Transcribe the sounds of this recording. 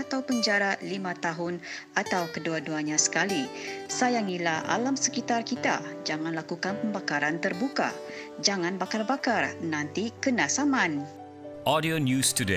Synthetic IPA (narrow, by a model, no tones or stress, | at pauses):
at̪awpəɲd͡ʒaɾalimãt̪aɦʊn | at̪awkəduaduaɲãsə̥kalisajaŋilaa̰lamsəkit̪arkit̪a̰d͡ʒaŋanlakukanpəmbakaɾant̪ərbuka̰ | d͡ʒaŋanbakarbakarnant̪ikənasaman | ʔɔdionjustude